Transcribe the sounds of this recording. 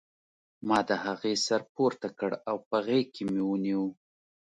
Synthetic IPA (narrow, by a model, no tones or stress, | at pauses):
mɑd̪əhaɣesaɾpoɾt̪akəɽawpaɣekemewəniwu